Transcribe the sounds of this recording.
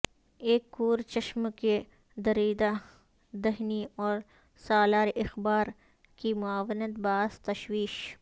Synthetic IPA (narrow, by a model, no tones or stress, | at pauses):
eːkːuːɾt͡ʃɐʃmke | d̪ɐɾiːd̪a | d̪ɐɦniɔːɾ | saːlaːɾʔɪxbaːɾ | kimʊaːʋnət̪̚baːzt̪ɐʃwiːʃ